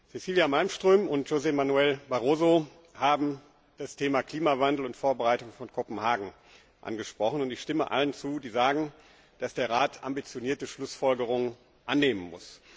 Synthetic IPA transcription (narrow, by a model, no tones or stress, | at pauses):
zesiːljamalmʃtʁ̥øːmʊntʒ̥ozɛmanuɛlbaʁoːzo | haːbm̩ | d̥astʰeːmakl̥iːmavandl̩ʊntfoːɐbəʁaɪtʊŋfɔnkʰɔpm̩haːɡŋ̩ | ʔa̰nɡəʃpʁ̥ɔχən̩ʊntɪçʃtɪmə̰ʔa̰lənt͡suːdiːzaːɡŋ̩ | d̥asd̥eːɐʁaːtʰʔa̰mbit͡sjoniːɐtəʃlʊsfɔlɡəʁ̞ʊŋən | ʔanːeːmənmʊ̰s